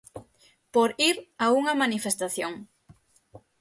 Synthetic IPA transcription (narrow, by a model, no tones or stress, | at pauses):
poɾiɾauŋɐmanifest̪aθjoŋ